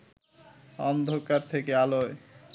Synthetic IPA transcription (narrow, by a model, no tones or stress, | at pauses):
ɔnd̪ʱokaɾt̪ʰekealoe